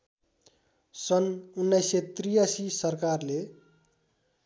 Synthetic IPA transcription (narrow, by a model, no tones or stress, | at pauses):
sʌnunːʌjsʌt̪rijasisʌrkarle